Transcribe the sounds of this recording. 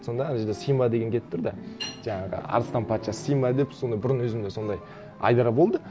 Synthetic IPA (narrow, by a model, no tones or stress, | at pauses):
so̞nd̪ɑænʒed̪esijmbad̪eɡʲeŋkʲe̞t̪ɪp̚ɪt̪ʰʊɾd̪ɑʒ̥ɑɴɑʁə̰ɑ̰ɾəst̪ɑnpʰɑt̪ʃɑssijmɑd̪epso̞nd̪ɑjbʊɾənwɵzɪmd̪e̞so̞nd̪ɑj | ɑ̰jd̪ɑɾɑbolˠd̪ə